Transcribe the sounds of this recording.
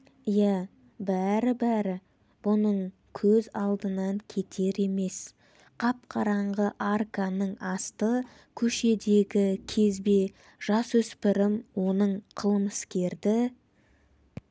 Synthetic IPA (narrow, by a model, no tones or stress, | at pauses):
ijæ | bæɾɪbæɾɪ | b̥ʊnəɴ | kʲʰɵzɑlˠd̪ənɑŋkʲʰe̞t̪ʰe̞ɾe̞me̞s | qʰɑp̚qʰɑɾɑɴʁəʔarkanəɴɑst̪ə | kʲʰɵʃe̞d̪e̞ɡʲɪkʲʰe̞zbe̞ | ʒ̥ɑsɵspɪɾɪmwo̞nəɴqʰəlˠməskʲe̞ɾd̪ɪ